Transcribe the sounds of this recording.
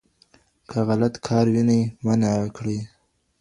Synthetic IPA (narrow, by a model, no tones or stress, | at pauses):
kʰəɣalat̪kʰɑɾwinajmanakɽij